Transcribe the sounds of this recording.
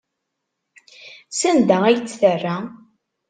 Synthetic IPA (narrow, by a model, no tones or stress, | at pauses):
sənd̪ææjt͡sːθərːa